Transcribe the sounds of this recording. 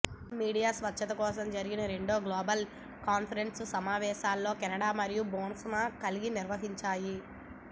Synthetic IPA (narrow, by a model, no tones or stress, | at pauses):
miːɽijaːsʋɐt͡ʃʰːɐt̪ɐkɔːs̬ɐmd͡ʒɐɾiɡinɐɾe̞ɳɖo̞ːɡloːbɐl | kaːnpʰɐɾe̞nssɐmaːʋɛːʃaːlːo̞ːkɛnɐɽaːmɐɾijuboːnsɐmɐkɐliɡiniɾʋɐɦiɲt͡ʃaːji